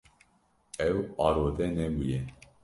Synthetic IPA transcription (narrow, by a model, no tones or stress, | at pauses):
ɛwɑːɾod̪ɛnɛbujɛ